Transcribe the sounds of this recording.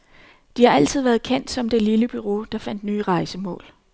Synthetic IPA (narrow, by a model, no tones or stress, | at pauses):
d̥ihɑ̈æl̰t͡sʰið̞̰ˠʋæːɐð̩ˠkʰen̰d̥sɒ̽md̥e̝liləb̥yʁo̝d̥ɑ̈fæn̰d̥nyːʁɑ̈ɪsəmɔ̰̽ːl